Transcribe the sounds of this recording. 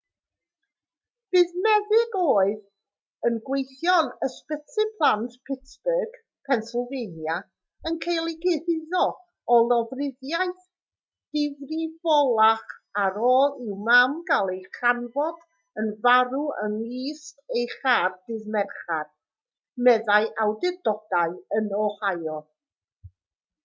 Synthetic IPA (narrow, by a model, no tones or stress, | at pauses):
b̥ɨːðmɛðɪɡoːɨð | ənɡwejθjɔnəspətʰɨpʰlˠantpʰɪtsb̥əɡ̥ | pʰɛnsəlˠvenja | ənkʰejlˠɪɡɪhɪðɔ | ɔlˠɔvrɪðjajθ | d̥ɪvrivɔlˠaχaɾoːlˠɪwmamɡalˠejχanvɔd̥ | ənvaɾuənwiːstejχaːrdɪðmɛrχad̥ | mɛðajʔawdɪdɔd̥aɨənɔhajɔ